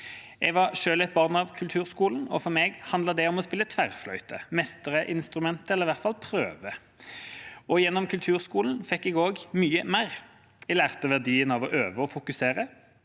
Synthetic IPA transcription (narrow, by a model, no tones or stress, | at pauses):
ɛɡʋɑʁʂøːlɛt̪̚bɑʁnɑʋkʰʉlt̪ʰʉːʁskuːln̩ɔ̰fɔʁmɛɡhɑnd̪lɑd̪ɛɔmɔspɪlːət̪ʰʋæʁflœʏt̪ʰə̰mɛst̪əʁəʔɪnst̪ɾʉmɛnt̪əɛləʁɪʋæʁt̪fɑlpʰɾøːʋə | ɔjɛnːɔmkʰʉlt̪ʰʉːʁskuːln̩fɛkːɛɡoːɡmyːəmæɪʁ | ɛlæːʁt̪əʋæʁd̪iːənɑʋɔʔøːʋəɔfʊkʉseːʁə